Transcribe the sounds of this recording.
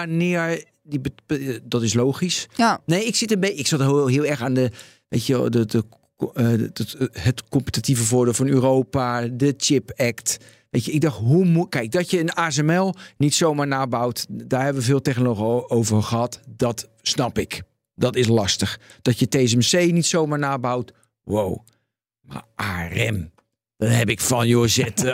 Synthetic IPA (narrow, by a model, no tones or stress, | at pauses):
anɪəɹ | dibədɔtɪsloːxisnejɪksɪtəbeɪksɑtɦɪəlˠɛxaːndə | ʋeːtəʋɛ̰lˠdəə | hətkɔmpətativəvʊːɹdeːlˠfɔnyːroːpadət͡ʃɪpɛkt | ʋeːtəɪɡ̚dɔxtɦumukɛjk̚dɔtjəənaːsɛmɛlˠnitsowmaːɹnaːbawtdaːrɦɛbəʋəveːlˠtɛxnoloxowvəxəhɑtdɔt | snɑpɪk | dɔtɪslɑstəxd̥ɔtjətes̬ɛmsejnitsowmaːɹnaːbawt | wo̰w | ma̰ʔaːrɛm | d̥ɔtɦɛpɪkfɔnjozɛt